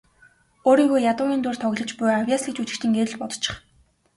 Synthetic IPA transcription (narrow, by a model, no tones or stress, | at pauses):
oːɾiːŋɡuːjjat̪ʊːɣʲiːnt̪uːr̥t̪ʰɔɣɮə̆t͡ɕpʊjawʲjaːsĭt͡ɕut͡ɕɪ̆kt͡ɕĭŋɡeɾɘ̆ɮpɔt̪ɞ̥̆t͡ɕʰːɪ̥̆χ